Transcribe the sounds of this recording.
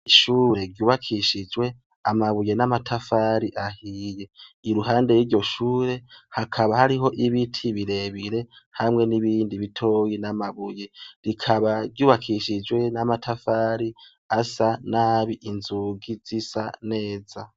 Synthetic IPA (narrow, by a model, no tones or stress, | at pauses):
iʃuːɾe̞ɡɟjuːβakʰiʃid͡ʒwe̞ | amaβuje̞namatʰafaɾiʔahije̞iɾuɦaːnde̞jiːɾɟo̞ʃuːɾe̞hakʰaβahaɾiɦo̞ʔiβitʰiβiɾe̞βiɾe̞hamŋe̞niβiːndiβitʰo̞jinamaβuje̞ɾikʰaβaɡɟuːβakʰiʃid͡ʒwe̞namatʰafaɾi | asanaːβiʔinzuɡiz̥isane̞ːza